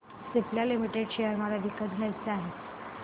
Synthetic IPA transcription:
sipljalimiʈeɖɕejəɾmalad̪ikːət̪̚ɡʱjajt͡səaɦe

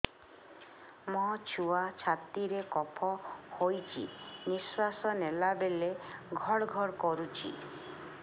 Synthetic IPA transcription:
mɔt͡ʃʰuat͡ʃʰat̪iɾekɔpʰɔhojt͡ʃʰḭniswasɔnelabeleɡʱɔɽɡʱɔɾkɔɾut͡ʃʰḭ

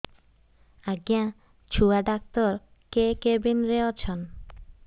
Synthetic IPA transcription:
aɡijã | t͡ɕʰuaɖak̚t̪oɾ | kekebinɾeot͡ɕʰon

